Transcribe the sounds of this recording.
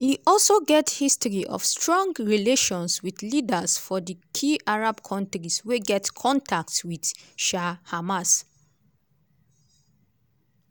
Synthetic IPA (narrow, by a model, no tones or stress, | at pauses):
hiʔɔlsoɡɛthistɹiʔɔ̰fstɹɔ̃ŋɡɹileʃɔ̃nswiθlidəsfɔðəkʰiʔaɹabkʰɔ̃ntɹisweɡɛtkʰɔ̃ntʰak̚twidʃahamas